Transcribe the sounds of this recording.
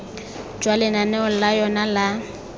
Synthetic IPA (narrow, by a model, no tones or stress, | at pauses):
d͡ʒwalɛnanɛʊl̩lajɔnala